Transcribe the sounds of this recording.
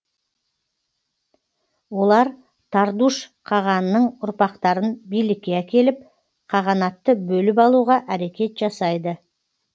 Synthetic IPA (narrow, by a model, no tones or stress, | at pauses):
wo̞lˠɑɾ | t̪ʰɑɾd̪uʃqʰɑʁɑnənəɴʊɾpɑqt̪ɑɾənbijlɪkʲːe̞ækʲe̞lɪp̚ | qʰɑʁɑnɑt̪ːəbɵlɪpɑlˠuʁɑʔæɾe̞kʲe̞t̪ʒ̥ɑsɑjd̪ə